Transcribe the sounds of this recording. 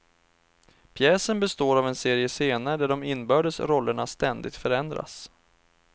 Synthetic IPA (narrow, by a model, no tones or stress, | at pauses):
pʰjɛːsənbɛst̪oːɾavɛnseːɾɪəseːnaɾəɖ̪æɖɔmɪnːbœːɖəsɾɔlːəɳast̪ɛnd̪ɪk̚t̪fœɾɛnd̪ɾa̰s